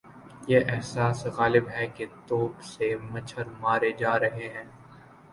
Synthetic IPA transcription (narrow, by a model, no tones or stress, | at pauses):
jeʔɛɦsaːsɣaːlɪbɦɛket̪oːbsemɐt͡ʃʰəɾmaːɾed͡ʒaːɾɐɦeɦɛ̃ː